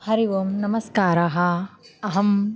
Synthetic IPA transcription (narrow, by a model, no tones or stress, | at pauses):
hɐɾiʋɐmnɐmɐskaːɾɐɦɐɐɦɐm